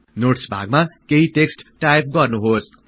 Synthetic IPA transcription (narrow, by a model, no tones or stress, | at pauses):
noʈsbʱa̰ɡ̚makeɦiʈeksʈʈajp̚ɡʌrnuɦos